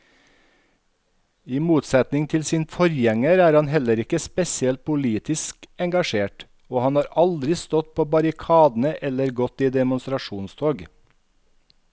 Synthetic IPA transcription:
iːmuːt̪sɛt̪nɪŋt̪ʰɪlsiːnfɔɾjɛŋəɾæːɾɑnhɛləɾɪkəspɛsɪɛlt̪̚pʰʊliːt̪ɪskɛŋɡɑʃeːʈ | oːhɑnhɑːɾɑld̪ɾɪst̪ɔt̪̚pʰoːbɑɾɪkʰɑːd̪n̩əʔɛləɾɡɔt̪iːd̪ɛmʊnst̪ɾɑʃuːnst̪ʰoːɡ

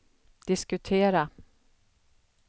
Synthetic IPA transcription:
d̪̥ɪskɵt̪ʰeːɾa

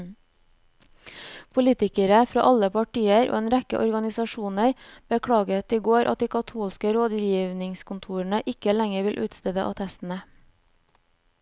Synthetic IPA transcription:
pʰʊliːt̪ɪkəɾəfɾɑ̰ːʔɑləpʰɑʈiːəɾʔo̰ːeːnɾɛkə̰ʔɔɾɡɑnɪsɑʃuːnəɾb̥əkʰɽɑːɡət̪iːɡoːɾʔɑ̰t̪̚d̪iːkʰɑt̪ʰuːlskəɾoːd̪jiːʋnɪŋskʊnt̪ʰuːɾəɳəʔɪkəlæŋəɾʋɪlʔʉ̰ːt̪st̪ɛːd̪ə̰ʔɑ̰t̪ʰɛst̪n̩ə

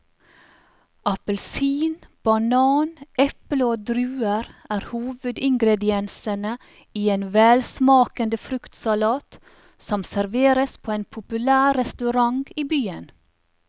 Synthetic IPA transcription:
ʔɑpəlsiːnb̥ɑnɑːnʔɛpləoːd̪ɾʉːəɾæːɾhuːʋʉd̪ɪŋɡɾɛd̪ɪɛnsənə | iːeːnʋɛːlsmɑːkənd̪əfɾʉkt̪sɑlɑːt̪ | sɔmsæɾʋeːɾəspʰoːeːnpʰʊpʉlæːɾɛst̪ʉɾɑŋɡiːbyːən

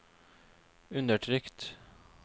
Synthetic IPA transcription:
ɵnd̪əʈʰɾʏkt̪

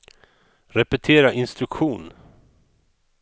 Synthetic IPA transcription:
ɾɛpɛt̪ʰeːɾaʔɪnst̪ɾɵkɧuːn

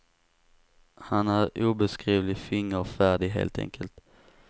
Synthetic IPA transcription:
hanæɾuːbɛskɾiːvlɪfɪŋːəɾfæːɖɪɦḛːlt̪ʰɛ̰ŋkʰəlt̪

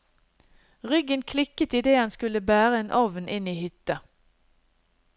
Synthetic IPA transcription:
ʁʏɡənkʰlɪkət̪iːd̪eːhɑnskʉləbæːʁəeːnʔɔʋnʔɪniːhʏt̪ə

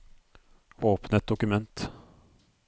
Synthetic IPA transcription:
oːpnət̪̚d̪ʊkɵmɛnt̪

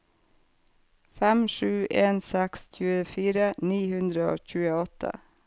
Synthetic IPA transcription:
fæmʂʉːʔeːnsɛksc͡çʉːəfiːɾəniːhʉnd̪ɾəo̰ːçʉːəɔt̪ʰə̰

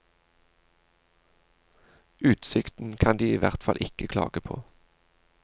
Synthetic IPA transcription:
ʉːt̪sɪkt̪n̩kʰɑnd̪iːiːʋæʁt̪fɑlʔɪkəkʰlɑ̰ːɡəpʰo̰ː

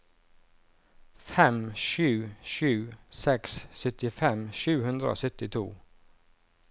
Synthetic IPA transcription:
fɛmʃʉːʃʉːsɛkssœt̪ɪfɛmʃʉːhʉnd̪ɾəo̰ːsœt̪ɪt̪ʰṵː

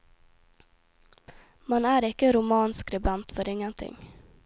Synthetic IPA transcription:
manæɾɪkːəɾʊmɑːnskɾɛbant̪fœɾɪŋːənt̪ʰɪ̰ŋː

